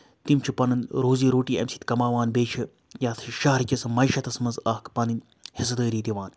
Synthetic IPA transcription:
t̪imt͡ʃʰipɐnɐnɾoːziːɾoːʈiːɐ̰msi̥t̪kɐmaːʋaːnbeːt͡ʃʰi | jaːt̪ʰʃaɦɐɾkʲisɨmɐjʃɐt̪ɐsmɐnzaːkpɐnin | his̬ɐd̪əːɾiːt̪iʋaːn

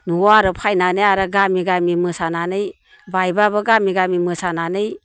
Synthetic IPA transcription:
nuwaɾɯpʰajnanɯjaɾɯɡamiɡamimɯsananɯj | bajbabɐɡamiɡamimɯsananɯj

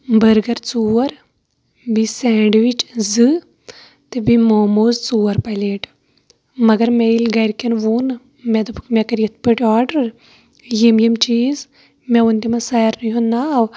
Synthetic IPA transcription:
bəɾɡɐɾt͡suːɐɾ | bisɛːɳɖʋit͡ʃzɨ | t̪ebimoːmoːzt͡suːɐɾpɐjleːʈ | mɐɡɐɾmeilɡɐɾkɐnʋuːn | mɛd̪ɐpkmɛkɐɾijɐt̪̚ʰpəʈʲaːɾɖɐɾ | jemjɐmt͡ʃiːz | mɛunt̪imasɐjɾnɨjonaw

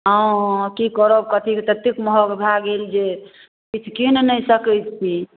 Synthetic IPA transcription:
ɦə̃kikəɾobkət̪ʰikt̪ət̪ːikməɦɔɡbʱaɡeld͡ʒe | kit͡ʃʰkinnəjsəkət̪t͡ʃʰi

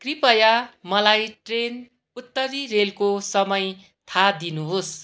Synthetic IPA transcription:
kripʌjamʌlajʈren | ut̪ːʌɾirelkosʌmʌj | t̪ʰad̪inuɦos

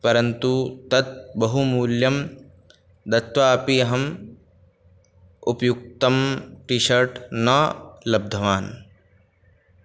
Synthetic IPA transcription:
pɐɾɐnt̪ut̪ɐt̪̚bɐɦumuːljɐm | d̪ɐt̪ʋaːpiɐɦɐm | upɐjuk̚t̪ɐmʈiʃɐɾʈnɐlɐb̚d̪ʱɐʋaːn

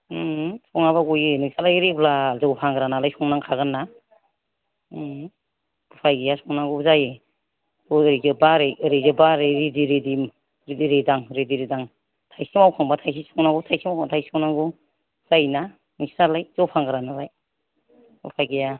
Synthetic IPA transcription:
sɔŋaβaɡujinisalajɾepʰlazɔwpʰaŋɡɯɾanalajsɔŋnaŋkʰaɡɯnːa | kupʰajɡijasɔŋnaɡuzaje | ɔɾizɯbaɾeɾezɯbaɾeɾidiɾedim | ɾidiɾedaŋɾediɾedaŋ | tʰajsimawkʰaŋbatʰajs̬isɔŋnaɡutʰajsimawkʰaŋtʰajsɔŋnaŋɡu | z̥ajna | nisnalajzɔwpʰaŋɡɯɾanalaj | kupʰajɡeja

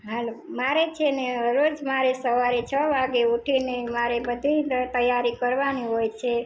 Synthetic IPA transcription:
ɦalmaɾet͡ʃʰeneəɾod͡ʒmaɾesəʋaɾet͡ʃʰəʋaɡeuʈʰinemaɾebəd̪ʱit̪əjaɾikəɾʋaniɦojt͡ʃʰe

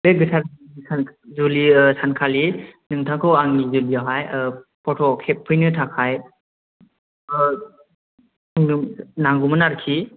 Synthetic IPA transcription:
beɡɯtʰaɾ | isanzulisankʰalinɯŋtʰaŋkʰɯwaŋnizulijaɦajpʰɔtʰɔkʰep̚pʰɯjnɯtʰakʰaj | ŋnɯnaŋɡumɯnaɾkʰi

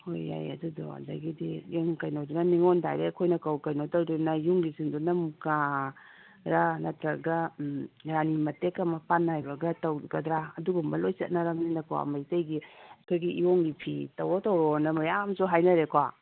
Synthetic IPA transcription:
ho̰ja̰jɐ̰dudɔ̰a̰dɐ̰ɡidijuŋkɐjnodunɐniŋɔnda̰jɾekʰojnɐkawkɐjnotaɾdunɐjuŋɡisiŋdunɐmuka | ɾanɐtɾɐɡɐ | ɾanimɐtekɐmɐpanːajbɐɡɐtɐwɡɐdɾaɐduɡumbɐlojsɐ̰t̚naɾɐmninɐkowa̰mɐjtɐjɡiɐkʰojɡiʔioŋɡipʰitɐwotɐwɾɔnɐmɐjamsuɦajnɐɾekʰwa

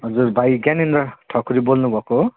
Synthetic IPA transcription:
ɦʌd͡zuɾbʱajɡaninɾʌʈʰʌkuɾibolnubʱʌko

